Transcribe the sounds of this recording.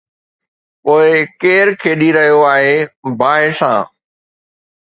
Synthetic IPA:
poːɪkeːɾkʰeːɗiɾɐɦijoaːɦeːbaːɦɪsã̰ː

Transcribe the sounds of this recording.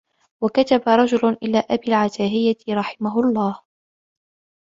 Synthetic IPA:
wakat̪abaɾˤɑd͡ʒʊlʊnʔɪlaːʔabiːlʕat̪aːɦɪjːaɾˤɑħɪmaɦʊlˤːɑːh

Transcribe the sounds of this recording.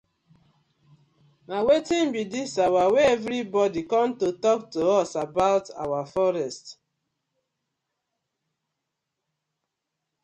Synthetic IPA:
nawetĩmbidisawaweevɾibɔdikɔ̃mtotɔk̚toɔsabaʊta̰wafɔɾɛst

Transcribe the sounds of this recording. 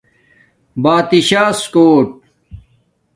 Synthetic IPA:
baːt̪iɕaːskoːʈ̚

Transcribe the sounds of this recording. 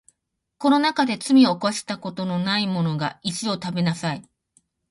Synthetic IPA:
ko̞no̞nakad̪e̞t͡sɨmʲio̞koaɕi̥t̪ako̞t̪o̞no̞naimo̞no̞ɡaiɕio̞t̪abe̞nasai

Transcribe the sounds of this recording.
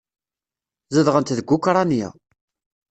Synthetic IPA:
zəðʁənt̪ðəɡʷːukɾˤɑnjæ̰

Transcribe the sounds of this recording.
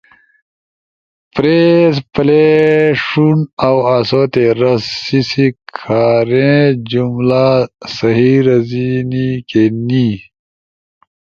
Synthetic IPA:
pɾeːspleʂunawasoːt̪eɾɐsisikʰaːɾẽd͡ʑumlasɐɦiːɾɐzinikeni

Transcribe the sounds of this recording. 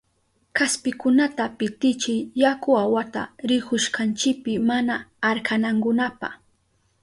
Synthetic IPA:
kaspɪkʊnat̪apɪt̪ɪt͡ʃɪjjakʊawat̪a̰ɾɪkʊʃkant͡ʃɪk̚pɪmanaːɾkanaŋkʊnapa̰χ

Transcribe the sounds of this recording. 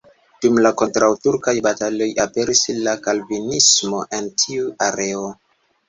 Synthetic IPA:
d̥umlako̞ntɾawtuɾkajbatalo̞jape̞ɾislakalvinismo̞ʔe̞ntʰiuaɾe̞o

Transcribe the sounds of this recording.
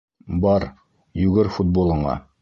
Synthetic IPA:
bɑɾ | jʉɡɘɾfut̪̚bolˠɤ̆ɴɑ̰

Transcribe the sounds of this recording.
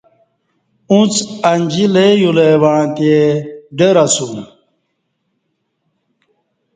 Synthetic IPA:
ũt͡sanʲd͡ʑilejulewaɽãt̪eɖeɾasũ

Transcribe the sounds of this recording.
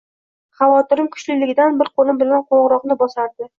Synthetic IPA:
χɑvɒt̪ɪɾɪmkʰʊ̥ʃlɪlɪɡʲɪd̪anbɪɾqʰonɪbɪlanqʰoɴʁɾɒqnɪbɒsaɾd̪ɪ

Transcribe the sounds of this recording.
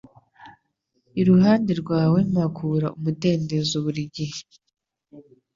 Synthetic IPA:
iɾuɦaːndeɾɡwaːwe̞makʰuɾaumute̞ːnde̞zoβuɾiɟihe

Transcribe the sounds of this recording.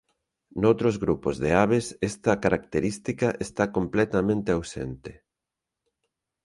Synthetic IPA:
nowt̪ɾozɣɾupozðeaβesest̪ɐkaɾakt̪eɾist̪ikaʔest̪akomplɛt̪ɐmẽnt̪eawsḛnt̪ɪ

